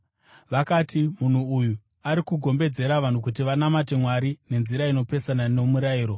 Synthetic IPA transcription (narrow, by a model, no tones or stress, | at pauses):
ʋakaːtʰimun̤uːju | aɾikuɡʱo̞mbe̞d͡ze̞ɾaʋan̤ukutiʋanamate̞mwaɾine̞nziɾaino̞pe̞sananemuɾaiːɾo̞